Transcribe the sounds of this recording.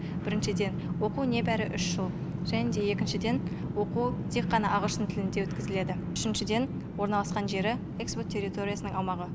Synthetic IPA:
b̥ɪɾɪnʃɪd̪e̞nwo̞qune̞bæɾɪʔʏʃʒ̥əlˠ | ʒæned̪e̞e̞kʲɪnʃɪd̪e̞nwo̞qut̪ʰe̞kqːɑnɑʔɑʁəʃt̪ət̪ʰɪlɪnd̪ewɵt̪kʲɪzɪle̞d̪ɪ | ʏʃɪnʃɪd̪e̞n | wo̞ɾnɑlˠɑsqɑnʒe̞ɾɪ | ekspot̪ʰʲːe̞ɾʲit̪o̞ɾʲijasənəɴɑwmɑʁə

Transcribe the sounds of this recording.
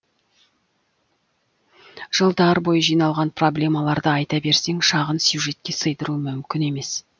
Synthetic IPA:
ʒ̥əlˠd̪ɑɾbo̞jəʒijnɑlˠʁɑnpro̞blʲe̞mɑlˠɑɾd̪əɑjt̪ɑbe̞ɾse̞ŋʃɑʁənsjuʒe̞t̪̚kʲe̞səjd̪əɾuəmʏmkʲɪne̞me̞s

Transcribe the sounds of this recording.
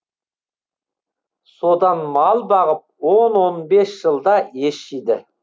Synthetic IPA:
sod̪ɑnmɑlˠbɑʁəp̚wonwo̞nbe̞sʒ̥əlˠd̪ɑeʃijd̪ɪ

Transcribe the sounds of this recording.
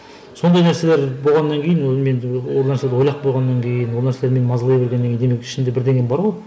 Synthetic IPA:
so̞nd̪ɑjnæɾse̞leɾbo̞lˠʁɑnːɑŋkʲʰejɪnwolˠme̞nwolˠnæɾsled̪wolˠɑq̚bo̞lˠʁɑnːɑŋkʲʰe̞jɪnwolˠnæɾseeɾmenmɑzlˠɑjbeɾɡʲenːekʰʲejnd̪emekɪ̥ʃɪnd̪ebɪɾd̪e̞ŋɡʲenbɑɾʁoj

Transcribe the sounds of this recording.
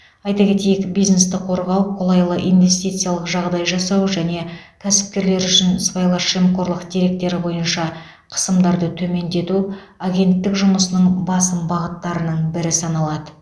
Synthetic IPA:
ɑjt̪ɑkʲe̞t̪e̞jɪkbijzne̞st̪ɪqʰo̞ɾʁɑwqʰolˠɑjlˠəʔḭjnvʲe̞st̪ijt̪sɨjalˠəqʒɑʁd̪ɑjʒɑsɑwʒæne̞kʲʰæsɪ̥p̚kʲe̞ɾle̞ɾʏʃɪnspajlˠɑʃemqo̞ɾlˠəqd̪̥ʲeɾe̞k̚t̪e̞ɾɪbo̞jənʃɑ | qʰə̥səmd̪ɑɾd̪ət̪ʰɵme̞nd̪e̞t̪u | aɡʲe̞nt̪ːɪkʒʊməsənəɴbɑsəmbɑʁət̪ːɑɾənəɴbɪɾɪsɑnɑlˠɑd̪ə

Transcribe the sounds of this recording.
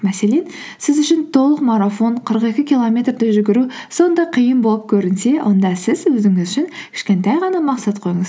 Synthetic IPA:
mæse̞le̞n | sɪzʏʃɪnt̪ʰo̞lˠəqmɑɾafo̞nqʰəɾəqe̞kʲɪkʲilˠomʲe̞t̪rd̪ɪʒʏɡʲɪɾuso̞nd̪ɑqʰijəmbo̞lˠəp̚kʲʰɵɾɪnse̞wʔo̞nd̪ɑsɪzwɵzɪŋɪzʏʃɪnkʲʰɪ̥ʃkʲe̞nt̪ɑjʁɑnɑmɑqsɑt̪qʰojəɴəz

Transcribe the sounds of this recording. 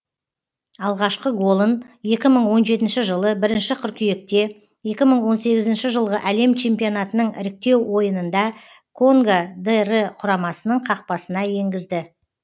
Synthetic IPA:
ɑlˠʁɑʃqəɡo̞lˠənje̞kʲɪməɴwo̞nʒe̞t̪ɪnʃɪʒəlˠəbɪɾɪnʃɪqʰʏɾkʲʰije̞k̚t̪e̞ | je̞kʲɪməɴwo̞nse̞ɡʲɪzɪnʃɪʒəlˠʁəʔæle̞mt͡ʃʰe̞mpijo̞nɑt̪ənəɴɪ̰ɾɪk̚t̪e̞wːo̞jənənd̪ɑ | kʰo̞ŋɡad̪erəqʰʊɾɑmɑsənəɴqʰɑq̚pɑsənɑje̞ŋɡʲɪzd̪ɪ

